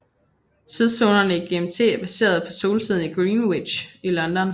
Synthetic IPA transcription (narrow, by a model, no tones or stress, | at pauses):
t͡sʰið̞ˠso̝ːnɐnəiɡ̥e̝emt͡sʰe̝̰ːb̥æse̝̰ːɐð̞̩ˠpʰɒ̽so̝ːlt͡sʰið̞̰ˠn̩iɡ̥ʁiːnwid̥ɕilɒ̽nd̥ɒn